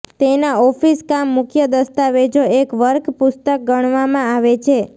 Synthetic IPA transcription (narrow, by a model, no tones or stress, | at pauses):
t̪enaɔfiskamːʊkʰjəd̪əst̪aʋed͡ʒoekʋəɾkpʊst̪ək̚ɡəɳ̃ʋamãaʋet͡ʃʰe